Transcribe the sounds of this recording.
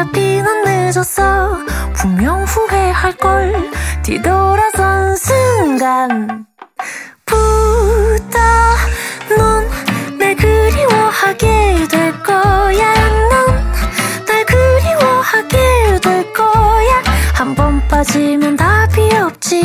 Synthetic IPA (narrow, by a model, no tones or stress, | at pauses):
apʰinanːed͡ʑʌsʰʌpuŋmjʌŋɸuɦe̞haɭk͈ʌɭtḭdoɾasʰʌnsʰɯŋɡan | pu | ta | nʌnːeɡɯɾiwʌhaɡedweɭk͈ʌjannːɯnː | aɡɯɾiwʌhaɡedweɭk͈ʌjahambʌnp͈ad͡ʑimjʌntapʰiʌp̚t͡ɕ͈i